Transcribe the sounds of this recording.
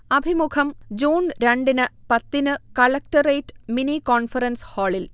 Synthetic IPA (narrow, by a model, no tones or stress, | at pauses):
ɐbʱimukʰɐmd͡ʑuːnɾɐɳɖinɨpɐt̪ːinɨkɐɭɐk̚ʈɐreːʈminikoːnfɐɾɐnshoːɭil